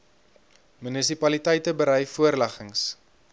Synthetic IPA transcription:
mynəsipɐlitəjtəbəɾɛjfuərlæχəŋs

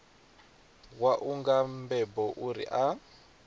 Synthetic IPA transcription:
waʔuŋɡambɛbɔʔuɾḭʔa

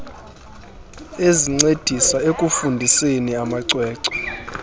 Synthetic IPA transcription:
eziŋ͡ǀed̥ʱisaekʼufundʱiseniamaǀwɛːǀɔ̥

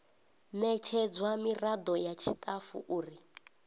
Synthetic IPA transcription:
nɛt͡ʃʰɛd͡zwamirad̪ɔjat͡ʃʰitʼafṵʔuːri

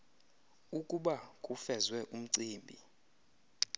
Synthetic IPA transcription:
ukʼuɓakʼufɛzwɛʔum̩ǀiːmbʱḭ

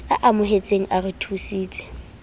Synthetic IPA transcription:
aʔamʊɦet͡sʼeŋ̩ʔarɪtʰusiːt͡sʼɛ̥

